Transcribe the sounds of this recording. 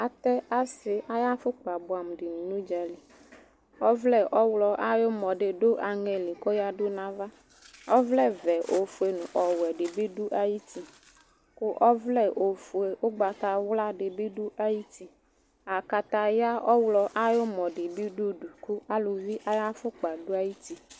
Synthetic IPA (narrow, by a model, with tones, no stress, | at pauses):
a˨t̪ɛ˦a˦sɪ˨ʔa˦ja˦fʊ˦k͡pa˨bʊ˨a˨m˨ɖɪ˨n˨nũ˦d͡ʒa˨li˨ | ɔ˦vlɛ˦˨ʔɔ˦wlɔ˨ʔa˦jo˦mɔ̃˨ɖɪ˨ɖo˦ʔa˨ŋɛ˨li˨kɔ˦ja˦ɖo˦nã˦va˦ | ɔ˦vlɛ˦vɛ˨ʔo˨fu˨e˨nũ˨ʔɔ˨wɛ˨ɖɪ˨bi˦ɖu˦ʔa˦ji˦t̪i˨ | ko˦ʔɔ˦vlɛ˦ʔo˨fu˨e˨ʔo˦ɡ͡ba˨t̪a˨wla˦ɖɪ˨bi˦ɖu˦ʔa˦ji˦t̪i˨ | a˨ka˨t̪a˨ja˦ʔɔ˦wlɔ˨ʔa˦jo˦mɔ˨ɖɪ˨bi˦ɖu˦ɖu˨ku˦a˦lo˨vi˦ʔa˦ja˦fʊ˦k͡pa˨ɖo˦a˦ji˦t̪i˦